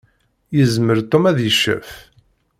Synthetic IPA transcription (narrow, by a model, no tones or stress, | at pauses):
jəzməɾt̪ˤːomæðjəʃːæ̰f